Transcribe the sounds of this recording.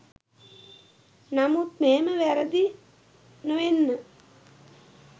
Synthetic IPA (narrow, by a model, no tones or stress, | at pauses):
namut̪meːməʋæɾəd̪i | nəʋenːə